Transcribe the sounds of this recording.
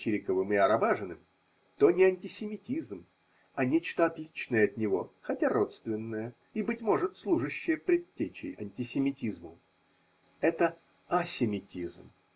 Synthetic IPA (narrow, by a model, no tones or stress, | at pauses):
iɾʲɪkəvɨmɪɐɾɐbaʐɨnɨm | t̪o̞nʲɪɐnʲtʲɪsʲɪmʲɪtʲizm | ɐnʲet͡ɕt̪əɐt̪lʲit͡ɕnəjəɐt̪nʲɪvo̞xɐtʲaɾo̞t̪st̪vʲɪnːəjə | ibɨtʲmo̞ʐɨt̪slˠuʐɨɕːɪjəpɾʲɪtʲːet͡ɕɪ̰jɐ̰nʲtʲɪsʲɪmʲɪtʲizmʊ | ɛt̪ə | ɐsʲɪmʲɪtʲizm